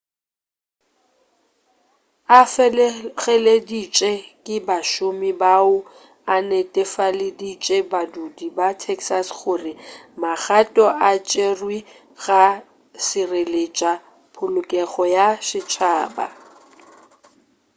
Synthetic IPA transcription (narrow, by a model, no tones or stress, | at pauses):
afɣɛledit͡ʃʼekʼɪbaʃʊmɪbaʊ | anetʼɛfalɪdit͡ʃʼebadudibatʰɛksasχʊːrɪmak͡xatʼɔʔat͡ʃʼerwi | ɣa | sɪrelet͡ʃʼa | pʰʊlʊkʼɛɣɔjaʃɪt͡ʃʰaːba̰